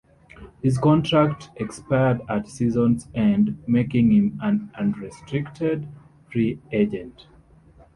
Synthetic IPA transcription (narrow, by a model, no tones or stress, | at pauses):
hizkɔ̃ntʰɹaktʔɛkspaɪədatsizɔ̃nzɛ̃ndmekĩŋhĩmãnãnɹistʰɹiktʰɛd | fɹied͡ʒɛ̃nt